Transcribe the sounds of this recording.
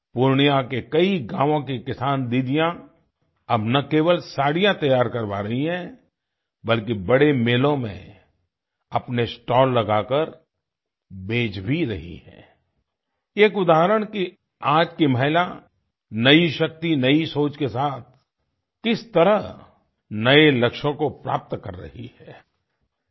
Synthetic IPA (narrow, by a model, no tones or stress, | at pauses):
pʊɾɳijãkekɐiɡãːʋõkikɪsaːnd̪iːd̪ijã | ɐbnɐkeːʋəlsaːɽijãt̪ɐjaːɾkɐɾba̰ːɾɐɦiɦɛ̃ | bɐlkibɐɽemeːlõmḛ̃ | ɐpnesʈɔːlːɐɡaːkəɾ | bʱeːd͡ʒbʱiɾɐɦḭhɛ̰̃ː | eːkʊd̪aːɦəɾəɽ̃ki | aːd͡ʒkimɐɦla | nɐiʃɐk̚t̪inɐisoːt͡ʃkesaːt̪̚ʰ | kɪst̪ɐɾəɦ | nɐelɐkʃõkopɾa̰ːp̚t̪kɐɾːɐ̰ɦḭhɛː